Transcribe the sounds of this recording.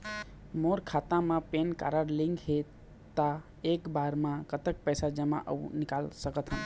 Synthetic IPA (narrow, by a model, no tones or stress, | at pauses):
moɾkʰat̪ãmãpenka̰ɾəɾlĩŋɡɦe | t̪ːa | ekbaɾmãkət̪ək̚pəjsad͡ʒəmã̰ʔə̰ṵnɪkalsəkət̪ɦən